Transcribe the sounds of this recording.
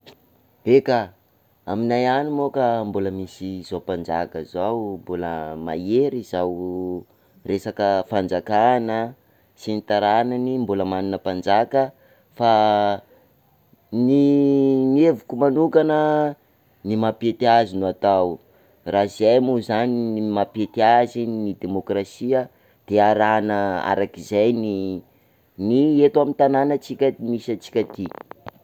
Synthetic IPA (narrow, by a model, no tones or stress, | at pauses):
eka | aminajanimokambuləmisiz̥opand͡za̰kəzawmbuləma̰eɾizaw | resakəfand͡zakanə | sinit̪aɾananimbuləmaninəpand͡zakə | fa | ninievukumanukanə | nimapet̪azinuat̪aw | razajmuzaninimapet̪iazinnid̪emokrasiə | d̪̥eaɾanəa̰ɾakizajni | niet̪uamint̪ananət͡sikʲamisət͡si̥kʲat̪i